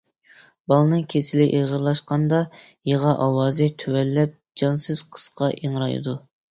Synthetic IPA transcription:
bɑlˠɨnɨŋkʲʰesɪlɪʔeʁəɾlˠɑʃqɑnd̪ɑjeʁɑʔɑwɑːzɪt̪ʰøwɛlːɛp̚ | d͡ʒɑnsɨz̥qʰə̥sqʰɑʔeŋɾɑjɨ̰d̪u

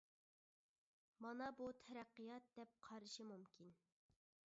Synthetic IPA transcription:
mɑnɑbut̪ʰɛɾæqːijɑt̪̚d̪ɛp̚qʰɑɾɨʃɨmumkʲin

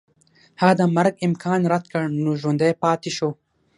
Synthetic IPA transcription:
had̪amɐɾɡɪmkʰɑːnɾɐd̪kəɽnuʒund̪eːpɑːt̪iʃoː

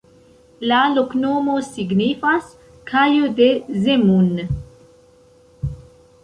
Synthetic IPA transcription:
laloknoːmosiɡnifas | kʰajod̪ezemun

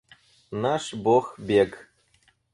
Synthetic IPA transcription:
naʂboxbʲek

